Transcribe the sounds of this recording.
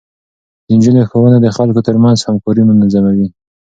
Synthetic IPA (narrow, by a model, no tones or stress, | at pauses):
d̪̥ənd͡ʒulexowənad̪əxalkot̪əɾmanzhamkɑɾimʊnazamawi